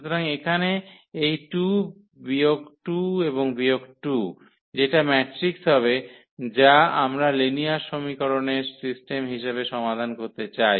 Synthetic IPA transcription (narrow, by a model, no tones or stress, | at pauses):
ʃut̪oɾaŋekʰane | ejʈu | biokʈueβoŋbiokʈu | d͡ʑeʈamɛʈɾiksɦɔβe | d͡ʑaamɾalinijaʃomikɔɾoneɾsisʈemɦiʃebeʃɔmad̪ʱankoɾt̪et͡ɕaj